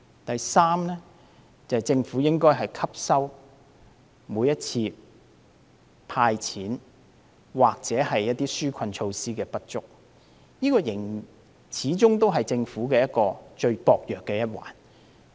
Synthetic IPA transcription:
t̪ɐ˨jsaː˥mnɛː˥ | t͡sɐ˨ɐ˨˩t͡sɪ˧ŋfuː˨˥jɪ˥ŋkɔː˥jɦɐ˨jkʰɐ˥p̚sɐ˥w | muː˨˧jːɐ˥t̚t͡sʰiː˧ | pʰaː˧jt͡sʰiː˨˥n | waː˨k̚t͡sɛː˨˥hɐ˨jːɐ˥t̚t̪ːiː˥syː˥kʰɐ˧nt͡ʃʰo˧wsiː˥kɛː˧pɐ˥t̚t͡ʃʊ˥k̚ | jiː˥kɔː˧jɪ˨˩ŋ | t͡sʰiː˨˥t͡sʊ˥ŋt̪o˥wɦɐ˨jt͡sɪ˧ŋfuː˨˥kɛː˧jɐ˥t̚kːɔː˧t͡ʃɵ˧ɥpɔː˨k̚jœː˨kːɛː˧jɐ˥t̚wa̰ː˨n

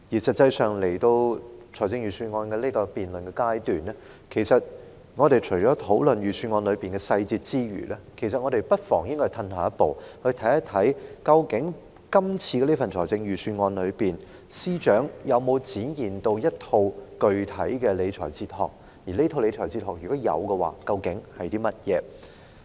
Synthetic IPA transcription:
jiː˨˩sɐ˨t̚t͡sɐ˧jsœː˨ŋle˨˩jt̪o˧wt͡ʃʰɔː˨˩jt͡sɪ˧ŋjyː˨˩syː˧ŋɔː˧nkɛː˧liː˥kɔː˧piː˨nlɵ˨˩nkɛː˧kaː˥jt̪yː˨nɛː˥ | kʰe˨˩jsɐ˨t̚ | ŋɔː˨˧ɾe˨jt͡ʃʰɵ˨˩ɥt͡ʃɔː˨˥t̪ʰo˨˥wlɵ˨nɥyː˨˩sʰy˧nŋɔː˧nlɵ˨˧ɥpiː˨nkɛ˧sɐ˧jt͡siː˧t̚t͡siː˥jɥy̰ː˨˩lɛ˥kʰe˨˩s̬ɐ˨t̚ŋɔː˨˧ɾe˨˩jpɐ˥t̚fɔː˨˩ŋjɪ˥ŋkɔ˥˧˩t̪ʰɐ˧nhaː˨˩jɐ˥t̚po˨˧whɵ˧ɥt̪ʰɐ˨˥jɐ˥t̪ʰɐ˨˥jkɐ˧wkɪ˨˥ŋ | kɐ˥mt͡sʰiː˧kɛ˧liː˥fɐ˨nt͡ʃʰɔː˨˩jt͡sɪ˧ŋjyː˨˩syː˧nŋɔː˧nlɵ˨˧ɥpiː˨˩n | siː˥t͡ʃœː˨˥ŋjɐ˨˧wmo˨˧wt͡siː˨˥njiː˨nt̪o˧wjɐ˥t̚t̪ʰo˧wkɵ˧ɥt̪ʰɐ˨˥jkɛː˧le˨˧jt͡ʃʰɔ̰ː˨˩jt͡siː˧t̚hɔ̰ː˨˩k̚ | jiː˨˩le˥t̪ʰo˧wle˨˧jt͡ʃʰɔː˨˩jt͡siː˧t̚hɔː˨k̚jy˨kɔː˨˥jɐ̰˨˧wkɛ˧wa̰ː˨˧kɐ˧wkɪ˨˥ŋhɐ˨jt̪iː˥mɐ˥t̚jɛ̰ː˨˧

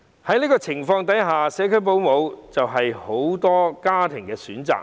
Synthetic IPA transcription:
hɐ˨˥jniː˥kɔː˧t͡sʰɪ˨˩ŋfɔː˧ŋt̪ɐ˨˥jɦaː˨sɛː˨˥kʰɵ˥ɥp̬o˨˧wmo˨˧wt͡sɐ˨wɦɐ˨jho˨˥wt̪ɔː˥kaː˥t̪ʰɪ˨˩ŋkɛː˧syː˨˥nt͡sa̰ː˨

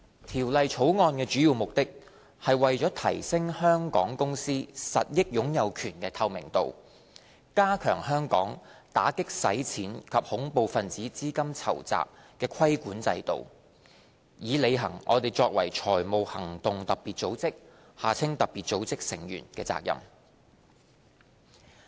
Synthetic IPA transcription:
t̪ʰiː˨˩wlɐ˨jt͡ʃʰo˨˥wŋɔː˧nkɛː˧t͡ʃy˨˥jiː˨˧wmʊ˨k̚t̪ɪ˥k̚ | hɐ˨jwɐ˨jt͡ʃɔː˨˥t̪ʰɐ˨˩jsɪ˥ŋhœː˥ŋkɔː˨˥ŋkʊ˥ŋsiː˥sɐ̰˨t̚jɪ˥k̚jʊ˨˥ŋjɐ˨˧wkʰyː˨˩nkɛː˧t̪ʰɐ˧wmɪ̰˨˩ŋt̪o̰˨w | kaː˥kʰœ̰ː˨˩ŋɦœː˥ŋkɔː˨˥ŋt̪a̰ː˨˥kɪ˥k̚sɐ̰˨˥jt͡sʰiː˨˥nkʰɐ˨p̚hʊ˨˥ŋpo˨wfɐ˨nt͡siː˨˥t͡siː˥kɐ˥mt͡sʰɐ̰˨˩wt͡sa̰ː˨p̚kɛː˧kʰɐ˥jkuː˨˥nt͡sɐ̰˧jt̪o̰˨w | jiː˨˧le˨˧jɦɐ̰˨˩ŋʔɔ̰ː˨˧t̪e˨jt͡sɔː˧k̚wɐ̰˨˩jt͡ʃʰɔː˨˩jmo˨˧whɐ˨˩ŋt̪ʊ˨ŋt̪ɐ˨k̚piː˨t̚t͡so˨˥wt͡sɪ˥k̚ | haː˨˩t͡sʰɪ˥ŋt̪ɐ˨k̚piː˨t̚t͡so˨˧˥wt͡sɪ˥k̚sɪ̰˨˩ŋjyː˨˩nkɛː˧t͡sa̰ː˧k̚jɐ̰˨˩m

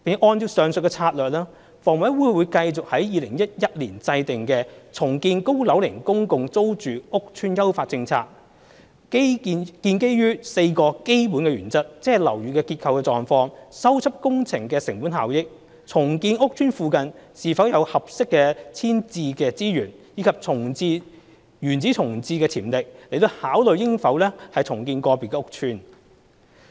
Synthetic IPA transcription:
pʔɔː˧ntiː˧wsœː˨˧ŋsɵ˨t̚kɛ˧t͡sʰaː˧t̚lœː˨k̚laː˥ | fɔː˨˩ŋwɐ˨˥wuː˨˥wuː˨˧jkɐ˧jt͡sʊ˨k̚hɐ˨˥jjiː˨˧lɪ˨˩ŋjɐ˥t̚jɐ˥t̚liː˨˩nt͡sɐ˧jt̪ɪ˨ŋkɛː˧t͡sʰʊ˨˩ŋkiː˧nko˥wlɐ˨˥wlɪ˨˩ŋkʊ˥ŋkʊ˧ŋt͡so˥wt͡ʃyː˨ʊ˥k̚t͡ʃʰyː˥njɐ˥wfaː˧t̚t͡sɪ˧ŋt͡sʰa̰ː˧k̚ | kiː˧nke˥jɥyː˥se˧jkɔː˧ke˥jpu˨˥nkɛ˧ɥyː˨˩nt͡sɐ˥t̚t͡sɛː˥ɐ˨jlɐ˨˩wɥyː˨kɛː˧kiː˧t̚kʰɐ˧wkɛ˧t͡sɔː˨ŋfɔː˧ŋsɐ˥wt͡sʰɐ˥p̚kʊ˥ŋt͡sʰɪ˨˩ŋkɛː˧sɪ˨˩ŋpuː˨˥nɦaː˨wjɪ˥k̚ | t͡sʰʊ˨˩ŋkiː˧nʊ˥k̚t͡ʃʰyː˥nfuː˧kɐ˨nsiː˨˩fɐ˨˥wjɐ˨˧whɐ˨p̚sɪ˥kːɛː˧t͡sʰiː˥nt͡siː˧kɛː˧t͡siː˥jyː˨˩njiː˨˧kʰɐ˨p̚t͡sʰʊ˨˩ŋt͡siː˧ | jyː˨˩nt͡siː˨˥t͡sʰʊ˨˩ŋt͡siː˧kɛː˧t͡sʰiː˨˩mlɪ˨k̚le˨˩t̪o˧whaː˨˥wlɵ˨˧ɥjɪ˥ŋfɐ˨˥wlɛː˥hɐ˨jt͡sʰʊ˨˩ŋkiː˧nkɔː˧pi˨kɛː˧ʊ˥k̚t͡ʃʰyː˥n

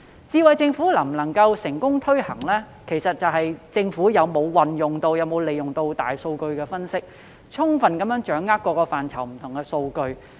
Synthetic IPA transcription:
t͡siː˧wɐ˨jt͡sɪ˧ŋfuː˨˥lɐ˨˩m̩˨˩nɐ˨˩ŋkɐ˧wsɪ˨˩ŋkʊ˥ŋt̪ʰɵ˥ɥhɐ˨˩ŋlɛː˥ | kʰe˨˩jsɐ˨t̚t͡sɐ˨wɦɐ˨jt͡sɪ˧ŋfuː˨˥jɐ˨˧wmo˨˧wwɐ˨njʊ˨ŋt̪o˧wjɐ˨˧wmo˨˧wle˨jʊ˨ŋt̪o˧wt̪a̰ː˨jso˧wkɵ˧ɥkɛː˧fɐ˥nsɪ˥k̚ | t͡ʃʰʊ˥ŋfɐ˨nkɐ˨˥mjœː˨˥ŋt͡ʃœː˨˥ŋːaː˥k̚ʷːɔː˧kɔː˧faː˨nt͡sʰɐ˨˩wm̩˨˩t̪ʰʊ˨˩ŋkɛː˧so˧wkɵ˧ɥ

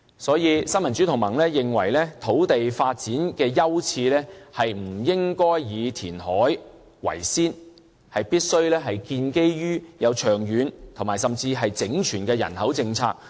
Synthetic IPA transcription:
sɔː˨˥jiː˨˧sɐ˥nmɐ˨˩nt͡st͡ʃyː˨˥t̪ʰʊ˨˩ŋmɐ˨˩ŋlɛː˥jɪ˨ŋwɐ̰˨˩jlɛː˥t̪ʰo˨˥wt̪e˨jfaː˧t̚t͡siː˨˥nkɛː˧jɐ˥wt͡sʰiː˧lɛː˥hɐ˨jm̩˨˩jɪ˥ŋkɔː˥jjiː˨˧t̪ʰiː˨˩nhɔː˨˥j | wɐ̰˨˩jsiː˥n | hɐ˨jpiː˥t̚sɵ˥ɥlɛː˥ɦɐ˨jkiː˧nke˥jjyː˥jɐ˨˧wt͡ʃʰœː˨˩ŋjyː˨˧nt̪ʰo˨˩maː˨˩jsɐ˨mt͡siː˧ɦɐ˨jt͡sɪ˨˥ŋt͡ʃʰyː˨˩nkɛː˧jɐ̰˨˩nhɐ˨˥wt͡sɪ˧ŋt͡sʰa̰ː˧k̚

